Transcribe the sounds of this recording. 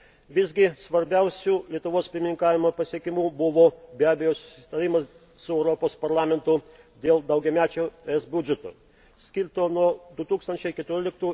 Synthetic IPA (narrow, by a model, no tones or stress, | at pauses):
ʋʲɪzʲɡʲɪsʋɐɾʲbʲæˑʊsʲuːlʲiɛt̪ʊʋoːspʲɪɾʲmʲɪnʲɪŋkɑːʋʲɪmoːpɐsʲiɛkʲɪmuːbʊʋoːbʲæːbʲɛjoːsʊ̥sʲɪ̥t̪ɐɾʲɪmɐs | sʊɛʊɾɔpoːspɐɾlˠɑːmʲɛnt̪ʊ | d̪ʲeːlˠd̪ɐʊɡʲɛmʲæːt͡ʃʲoːɛsbʲʊd͡ʒʲɛt̪o̰ | sʲkʲɪɾt̪oːnuɔd̪ʊt̪uːkst̪ɐnʲt͡ʃʲɛɪkʲɛt̪ʊɾʲɪːlʲɪk̚t̪uː